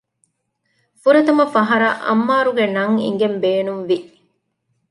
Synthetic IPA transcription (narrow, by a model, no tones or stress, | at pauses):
fuɾɐt̪ɐmɐfɐɦɐɾɐ̰ʔɐ̰mːaːɾuɡenɐŋḭŋɡembeːnumʋi